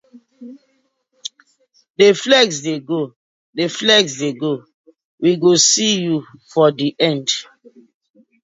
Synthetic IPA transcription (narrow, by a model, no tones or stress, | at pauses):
deflɛɡsdeɡo | deflɛɡsdeɡo | wʔiɡosijufɔdiʔɛ̃nd